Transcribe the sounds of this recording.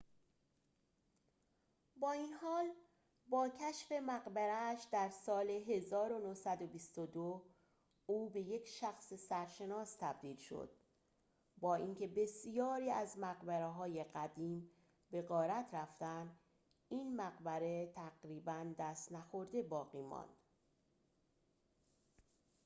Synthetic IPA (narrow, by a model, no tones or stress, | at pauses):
bɒːiːnhɒːl | bɒːcʰæʃfe̞mæɣbæɾæːʃd̪æɾsɒːleɦe̞zɒːɾonohsæd̪obist̪od̪o | uːbe̞je̞cʰʃæxsesæɾʃe̞nɒːst̪ʰæb̚d̪iːlʃo̰d̪̥ | bɒːiːŋcʰe̞be̞sijɒːɾiːæzmæɣbæɾeɦɒːje̞ɢæd̪iːm | be̞ɣɒːɾæt̪ʰɾæft̪ænd̪ | iːnmæɣbæɾe̞t̪ʰæɡɾiːbænd̪æst̪næxo̞ɾd̪e̞bɒːɣiːmɒ̰ːnd̪̥